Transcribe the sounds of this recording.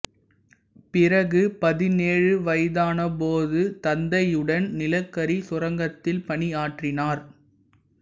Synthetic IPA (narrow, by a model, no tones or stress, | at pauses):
pɪrɐɣɯpɐðɪneːɻɯʋɐɪðaːnɐpoːðɯt̪ɐnd̪ɐjɯɽɐnnɪlɐkːɐɾisʊrɐŋɡɐt̪ːɪlpɐɳɪaːʈrɪnaːɾ